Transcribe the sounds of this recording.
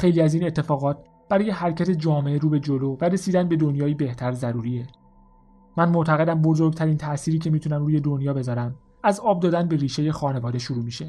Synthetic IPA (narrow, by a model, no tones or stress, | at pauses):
xe̞jliːæziːne̞t̪ʰːe̞fɒːɣɒːt̪̚ | b̥æɾɒːje̞hæɾcʰæt̪ʰe̞d͡ʒɒːmeʔeɾuːbe̞d͡ʒo̞lovæɾe̞siːd̪ænbe̞d̪o̞njɒːiːbe̞ht̪ʰæɾzæɾuːɾie | mænmoʔt̪ʰæɣe̞d̪æmbo̞zo̞ɾɡ̚t̪ʰæɾiːnt̪ʰæʔsiːɾiːcʰe̞miːt̪ʰunæmɾuːje̞d̪onjɒːbe̞zɒːɾæm | æzɒːb̚d̪ɒːd̪ænbeɾiːʃe̞je̞xɒːne̞vɒːd̪eʃuɾuːmiʃe̞